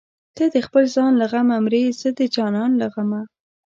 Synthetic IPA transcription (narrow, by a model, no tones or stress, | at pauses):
t̪əd̪əxpəlzɑnlaɣamamɾezəd̪əd͡ʒɑnɑnlaɣama